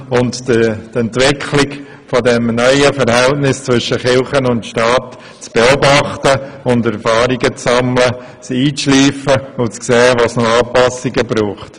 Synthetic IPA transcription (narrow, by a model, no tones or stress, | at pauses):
ʊnttɛntʋɪkʰχlɪk | fodɛmnœʏəfəɾhɛltnɪst͡sʋʏʃəχɪlχənʊntʃtɑːt | t͡sb̥eɔbɑχtəʊndɛɾfɑːɾiɡət͡sːɑmlə | t͡siːt͡sʃliːfəʊt͡skseːʋɑsnoɑːpːɑsiɡəbɾuːχt